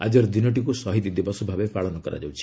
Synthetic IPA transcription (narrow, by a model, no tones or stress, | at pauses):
a̰d͡ʒɔɾd̪inɔʈ̬ikusɔɦit̪id̪ibɔsɔbʱabepaɭɔnɔkɔɾa̰d͡ʒawt͡ʃʰi̥